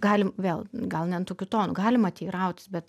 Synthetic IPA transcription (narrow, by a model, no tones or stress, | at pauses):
ɡɑːlʲɪmʋʲeːlˠɡɐlˠnʲɛnt̪oːkʲʊt̪oːnʊɡɑːlʲɪmɐt̪ʲiːrɐʊt̪ʲɪsbʲɛt̪